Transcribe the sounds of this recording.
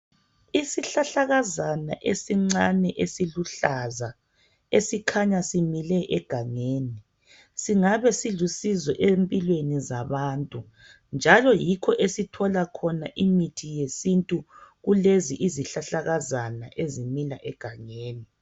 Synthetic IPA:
isiɬaɬaɣazana̰ʔesiŋ͡ǀanɛʔesiluɬaza | esikʰaɲasimilɛʔɛɡ̥ʱaŋeːni | siŋaβɛsiɮusizɛʔempʼilwenizaβaːntʼu | nd͡ʒʱalɔjikʰɔʔesitʰɔlakʰɔnaʔimitʰijesintʼuɣuleziʔiziɬaɬaɣazana̰ʔezimilaʔɛɡ̥ʱaŋeːni

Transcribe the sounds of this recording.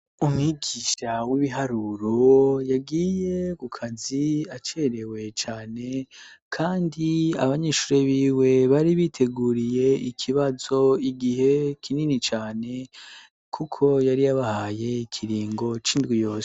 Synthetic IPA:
umŋiɡiʃawiβiɦaɾuɾo̞jaɡiːje̞kukʰaziat͡ʃeɾe̞we̞t͡ʃaːne̞kʰaːndiaβaɲeʃuːɾeβiːwe̞βaɾiβitʰe̞ɡuːɾije̞ikʰiβazo̞iɡihe̞kʰininit͡ʃaːne̞ | kʰukʰo̞jaɾijaβahaje̞ikʰiɾiːŋɡo̞t͡ʃiːndɡijo̞ːse̥

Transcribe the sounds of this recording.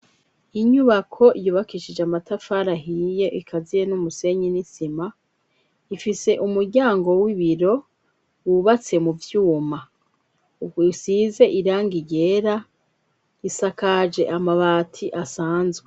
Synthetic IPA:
iɲuβakʰo̞ijuβakiʃid͡ʒeamatafaɾaɦije̞ʔikʰazijenumuse̞ɲinisima | ifise̞ʔumuɾɟaːŋɡo̞wiβiɾo̞ | wuβat͡se̞muvjuːma | usize̞ʔiɾaːŋɡiɟe̞ːɾa | isakad͡ʒe̞ʔamaβaːtʰiʔasaːnzɡwe

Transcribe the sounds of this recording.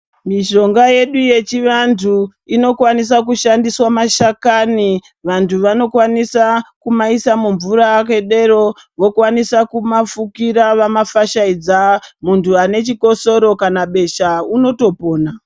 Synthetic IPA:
miʃo̞ŋɡaje̞ɗuje̞t͡ʃiʋantʰu | ino̞kwanis̬ak̬uʃandiswamaʃakani | ʋantʰuʋano̞kwanisakumaisamuɱvuɾaːkwe̞ɗe̞ɾo̞ | ʋo̞kwanisakumafukiɾaʋamafaʃaid͡zamuntʰuane̞t͡ʃiko̞so̞ɾo̞kanaɓe̞ʃauno̞to̞po̞ːna

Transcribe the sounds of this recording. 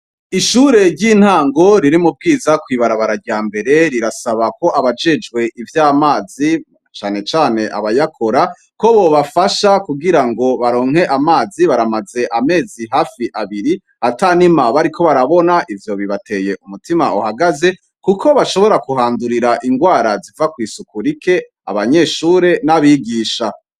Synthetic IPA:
iʃuːɾe̞ɾɟin̥haːŋɡo̞ɾiɾimub̚ɡiːzakwiːβaɾaβaɾaɾɟaːmbe̞ɾe̞ɾiɾasaβako̞ʔaβad͡ʒe̞d͡ʒɡwe̞ʔivjaːmaːzi | t͡ʃaːne̞t͡ʃaːne̞ʔa̰βajakʰo̞ɾa | ko̞βoβafaʃakuɡiɾaŋɡo̞βaɾo̞ːŋ̥he̞ʔamaːziβaɾamaze̞ʔame̞ːziɦaːfiʔaβiɾi | ataːnimaβaɾikʰo̞βaɾaβo̞naʔivjo̞βiβatʰe̞je̞ʔumutima̰uhaɡaze̞ | kuko̞βaʃo̞βo̞ɾakuɦaːnduɾiɾaʔiŋɡwaːɾazivakwiːsukuɾikʰe̞ | a̰βaɲe̞ːʃuːɾe̞naβiɡiːʃa

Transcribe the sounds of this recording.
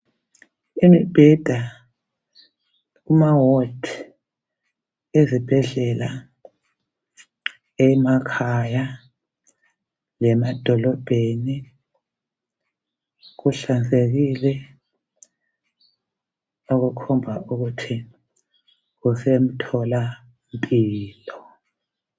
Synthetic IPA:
imib̥ʱɛd̥ʱa | umawɔdʰ | ezib̥ʱɛɮɛla | ɛmakʰaja | lɛmad̥ʱɔlɔb̥ʱeni | ɣuɬand͡zʱeɣilɛ | oɣukʰɔmbʱauɣutʰi | ɣusem̩tʰɔla | mpʼiːlɔ

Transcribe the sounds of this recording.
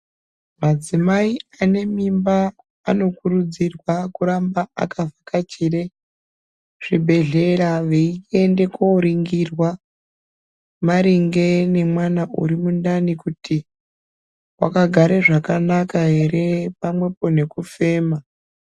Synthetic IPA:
mad͡zimaiane̞mimbaː | no̞kuɾud͡zirwakuɾambaʔa̰kavʱakat͡ʃire | ʐ̥ibʱe̞ɮe̞ɾaʋeie̞nde̞koɾiŋɡirwa | maɾiŋɡe̞ne̞mwanaʔṵɾimundanikuti | wa̰kaɡʱaɾeʐakanakaɦe̞ɾe̞pamwe̞po̞ne̞kufe̞ːma

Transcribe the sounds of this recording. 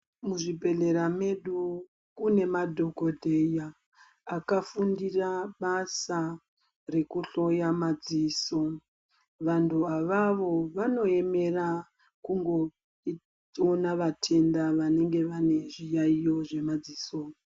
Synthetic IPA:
muʐibʱe̞ɮe̞ɾame̞ɗu | kune̞madʱo̞ɡʱo̞dʱejaː | kafundiraɓasa | re̞kuɬo̞jamad͡ziso̞ | ʋantʰuaʋaʋo̞ʋano̞e̞me̞ra | kuŋɡo̞ | i | onaʋatʰe̞ndaʋane̞ŋɡe̞ʋane̞ʐijaijo̞ʐe̞mad͡ziːso

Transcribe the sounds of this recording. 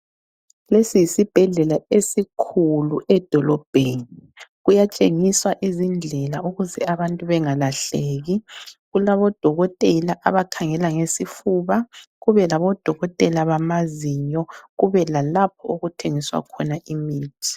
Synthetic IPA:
lesijisib̥ʱɛɮɛlaesikʰuluʔɛd̥ʱɔlɔb̥ʱeni | ɣujat͡ʃʼeŋiswaʔizind͡ɮʱɛlauɣuzɛaβantʼuβɛŋalaɬeːɣiɣulaβɔd̥ʱɔɣɔtʼɛlaʔa̰βakʰaŋɛlaŋesifuβaɣuβɛlaβɔd̥ʱɔɣɔtʼɛlaβamaziɲɔɣuβɛlalap̚ʰɔ̰uɣutʰeŋiswa̰kʰɔnaʔimiːtʰi̥

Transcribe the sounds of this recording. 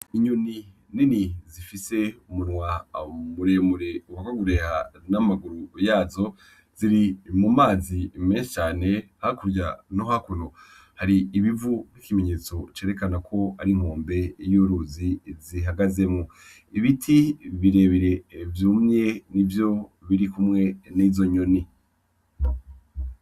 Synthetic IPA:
iɲuni | ninizifise̞umunŋwamuɾemuɾeuwakwaɡuɾe̞hanamaɡuɾujaːzo̞ | z̥iɾimumaːzimeːnset͡ʃaːne̞hakuɾɟanohakuno | haɾiːβivun̥ikimeɲe̞ːt͡so̞t͡ʃe̞ːɾe̞kanakʰo̞aɾiŋ̥oːmbe̞juɾuziziɦaɡaze̞mŋo | iβitʰiβiɾe̞ːβiɾe̞vjumɲe̞nivjo̞βiɾikumŋe̞niːzo̞ɲo̞ni

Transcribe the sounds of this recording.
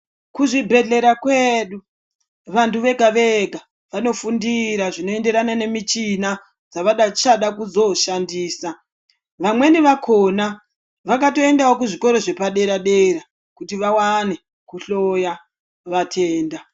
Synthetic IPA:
kuʐibʱe̞ɮe̞ɾakweɗu | ʋantuʋe̞ɡʱaʋeɡʱa | ʋano̞fundiɾaʐino̞e̞nde̞ɾanane̞mit͡ʃina | d͡zaʋaɗat͡ʃaɗakuzo̞ʃandiːsa | ʋamwe̞niʋakʰo̞na | ʋakato̞e̞ndawokuʐiko̞ɾo̞ʐe̞paɗe̞ɾaɗe̞ɾa | kutiʋawane̞ | kuɬo̞ja | ʋatʰeːnda

